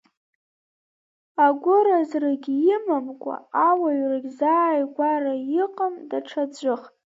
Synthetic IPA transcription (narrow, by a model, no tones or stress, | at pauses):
aɡʷʊɾazraɡʲijɪmamkʷʼa̰awaɥraɡʲzaːjɡʷarajɪqʼəmdaʈ͡ʂʰad͡ʒʷɨχ